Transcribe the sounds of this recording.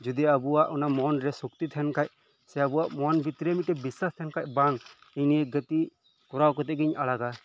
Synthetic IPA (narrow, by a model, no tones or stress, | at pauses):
d͡ʒud̪iabuwaʔɔnamɔnɾɛsuk̚t̪it̪ʰɛnkac̚ | sɛabuwaʔmɔnbit̪ɾemiʈɛbisast̪ʰɛnkac̚baŋ | iniɡət̪i | kɔɾawkɔt̪ɛɡiɲalaɡa